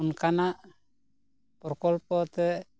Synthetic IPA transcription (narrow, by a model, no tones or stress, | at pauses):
unkanaʔ | pɔɾkɔlpɔt̪ɛ